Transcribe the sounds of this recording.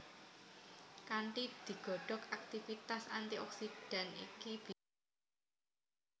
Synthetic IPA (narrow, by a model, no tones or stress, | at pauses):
kaɳʈid̪̥i̤ɡ̥ɔ̤ɖ̥ɔ̤kak̚t̪ifit̪asant̪iʔɔksiɖ̥a̤nḭkib̥